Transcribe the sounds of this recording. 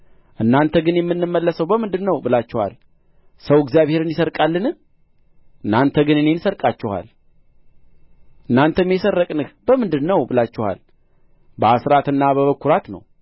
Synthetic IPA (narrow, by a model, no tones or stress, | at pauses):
ʔɨnːant̪ʰəɡɨnjɛmːɨnːɨmːəlːəsəwbəmɨnd̪ɨnːəwbɨlat͡ʃːɪɛha̰l | səwɪɡzjaβhe̞ɾɨnd̪isəɾkʼalːɨnɨ | ʔɨnːant̪ʰəɡɨnɨnensəɾkʼat͡ʃːɪha̰l | ʔɨnːant̪ʰəmːjɛsərːəkʼnɨhbəmɨnd̪ɨnːəwbɨlat͡ʃːɪha̰l | bəasɾat̪ɨnːaβəβəkʰːuɾat̪nə̰w